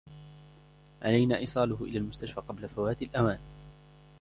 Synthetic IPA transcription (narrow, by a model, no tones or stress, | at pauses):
ʕalajnaːʔiːsˤɑːlʊɦʊʔɪ̰laːlmʊst̪aʃfaːqɑblafawaːt̪ɪlʔamaːn